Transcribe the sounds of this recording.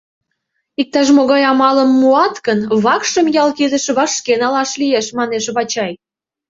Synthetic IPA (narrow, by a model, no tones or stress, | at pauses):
ik̚t̪ɑʃ̬moɣɑjɑmɑləmːuɑt̪kənβɑkʃə̆mjɑlkid̪əʃβɑʃkenɑlɑʃlieʃmɑneʃβɑt͡ɕɑj